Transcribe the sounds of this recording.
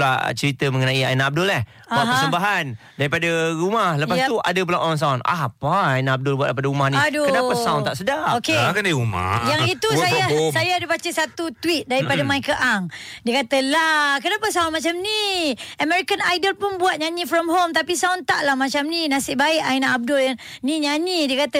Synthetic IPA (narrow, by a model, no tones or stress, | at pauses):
la̰t͡ʃəɾit̪əməŋənaia̰inaab̚dʊlah | aaəsəmbaɦan | daɾipadəɾumahləpasua̰dəp̬ulaʔoɾaŋs̬auna̰paajnaːb̚dʊlbuatʔpadaɾumahniadokənapasaunt̪aʔsədaokeakanaiɾuma̰jaŋit̪ussajasajadəbat͡ʃəsat̪ut̪wit̪̚daɾipadamajkəʔaŋdiəkat̪əlakənapəsaunmat͡ʃamniəmɛɾikanajdəlpʊnbuwat̪̚ɲaɲĩfɾɔmɦomt̪apisaunt̪aʔlahmat͡ʃamninasɪʔbaɪʔainaʔab̚dʊlaniɲaɲidiəkat̪ə